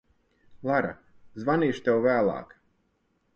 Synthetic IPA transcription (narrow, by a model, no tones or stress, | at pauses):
lˠaɾa̰ | zvaniːʃt̪ɛwvæːlˠɑ̰ːk